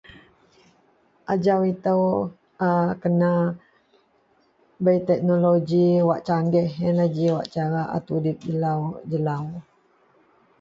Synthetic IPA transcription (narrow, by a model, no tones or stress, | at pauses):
ʔad͡ʒawit̪əw | akəna | bəjt̪ɛk̚noloɡiwaʔt͡ʃaŋɡɛhɛnlad͡ʒiwa̰ʔt͡ʃaɾaʔa̰t̪udip̚d͡ʒəlawd͡ʒəlaw